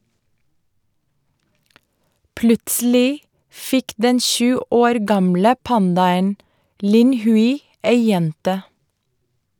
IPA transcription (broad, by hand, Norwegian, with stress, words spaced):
ˈplʉtsl̩ɪ ˈfɪk ˈdɛn ˈʃʉː ˈoːɾ ˈɡɑmlə ˈpɑndɑən ˈlɪn ˈhʉɪ ˈeɪ ˈjɛntə